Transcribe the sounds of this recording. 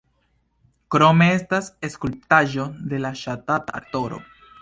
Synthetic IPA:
kɾo̞me̞e̞stase̞skulp̚taʒo̞de̞laʃatata̰ɾto̞ɾo̞̰

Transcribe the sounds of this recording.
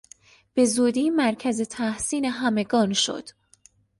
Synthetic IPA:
b̥e̞zuːd̪iːmæɾcʰæze̞t̪ʰæhsiːne̞ɦæme̞ɡɒːnʃo̰d̪̥

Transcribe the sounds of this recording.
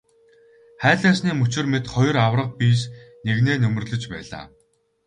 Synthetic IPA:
χæːɮaːsniːmɵt͡ɕɪ̆rmet̪χɔj̆ɾawrə̆q̚piːsneɣneːnɵm̆rɮɵ̆t͡ɕpæ̰ːɮa̰ː

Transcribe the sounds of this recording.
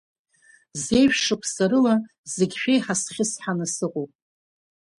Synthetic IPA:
ze̞jʃᶣʂɨkʷʰsaɾɨla | zeɡʲʃᶣejħasχʲɪsħanasɨqʼuwpʼ

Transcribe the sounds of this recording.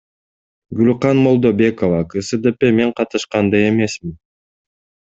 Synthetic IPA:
ɡylʲqɑnmo̞lˠd̪obʲe̞kovɑkɯsɨd̪epe̞me̞ɴqʰɑt̪ɯʃqɑnd̪ɑje̞me̞smin

